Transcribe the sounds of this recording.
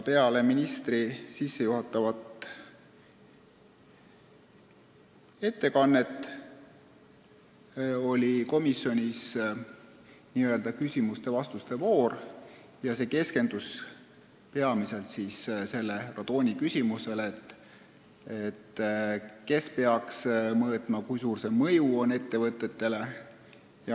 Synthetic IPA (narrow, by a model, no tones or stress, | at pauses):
pe̞ɑle̞minist̪risisːe̞juɦɑt̪ːˑɑvɑt̪ˑ | e̞t̪ːe̞kɑnːe̞t̪ːˑ | o̞lʲiko̞misːjo̞nʲis | niːø̞ld̪̥ɑkysʲimust̪e̞vɑst̪ust̪e̞vo̞ːr | jɑse̞ːke̞ske̞nd̪̥us | pe̞ɑmise̞lt̪siːsse̞lːe̞rɑd̪̥o̞ːnʲikysʲimuse̞let̪ːˑ | et̪ː | ke̞spe̞ɑksmɤːt̪ˑmɑkujsuːrse̞mɤjuo̞ne̞t̪ːe̞vɤt̪ːˑe̞t̪ːe̞le̞ | jɑ